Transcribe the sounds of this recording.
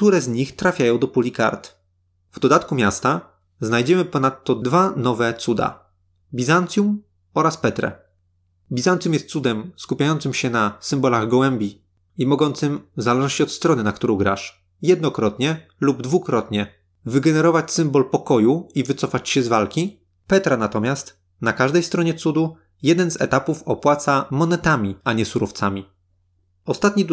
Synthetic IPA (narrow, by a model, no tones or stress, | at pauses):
k̚t̪uɾɛzɲixt̪ɾafʲjajɔ̃w̃d̪ɔpulʲika̰ɾt̪ | vd̪ɔd̪at̪kumʲjast̪a | znajd͡ʑɛmɘpɔnat̪ːɔd̪vanɔvɛt̪sud̪a̰ | bʲizant̪sʲjum | ɔɾaspɛt̪ɾɛ̰ | bʲizant̪sʲjumjɛst̪sud̪ɛmskupʲjajɔnt̪sɘmɕɛnasɘmbɔlaɣɡɔwɛmʲbʲi | imɔɡɔnt̪sɘmvzalɛʒɔɕt͡ɕɔt̪st̪ɾɔnɘnakt̪uɾɔ̃wɡɾa̰ʂ | jɛd̪nɔkɾɔt̪ɲɛ | lubd̪vukɾɔt̪ɲɛ | vɘɡɛnɛɾɔvat͡ɕsɘmbɔlpɔkɔjuivɘt̪sɔfat͡ɕɕɛzvalkʲi | pɛt̪ɾanat̪ɔmʲjast̪ | nakaʐd̪ɛjst̪ɾɔɲɛt̪sud̪u | jɛd̪ɛnzɛ̰t̪apufɔpwat̪samɔnɛt̪amʲiaɲɛsuɾɔft̪samʲi | ɔst̪at̪̚ɲi